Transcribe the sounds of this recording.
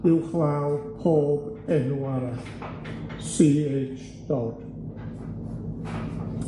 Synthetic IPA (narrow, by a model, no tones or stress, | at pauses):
ɨwχlawpʰoːbɛnuaɾaɬ | siːet͡ʃ | d̥oːd̥